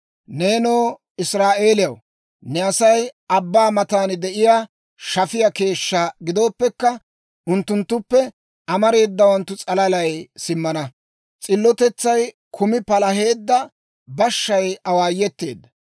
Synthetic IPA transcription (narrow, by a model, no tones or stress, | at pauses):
ne̞ːnoː | ɪsɾaːʔe̞ːlɪjɐw | nɛɐsɐjɐbːaːmɐt̪aːnd̪ɛʔɪjaː | ʃɐfɪjɐke̞ːʃːɐɡɪd̪o̞ːpːɛkːɐ | ʔʊnt̪ːʊnt̪ːʊpːɛ | ɐmɐɾe̞ːd̪ːɐwɐnt̪ːʊt͡sʼɐlɐlɐjsɪmːɐnɐ | t͡sʼɪlːɔt̪ɛt͡sːɐj | kʰʊmɪpɐlɐɦe̞ːd̪ːɐ | bɐʃːɐjɐwaːjːɛt̪ːe̞ːd̪ːɐ